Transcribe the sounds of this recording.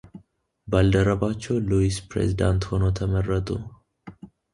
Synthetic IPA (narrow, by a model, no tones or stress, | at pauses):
bald̪əɾəbat͡ʃːɛwluispɾḛzid̪ant̪ho̞no̞t̪ʰəmərːət̪ʼṵ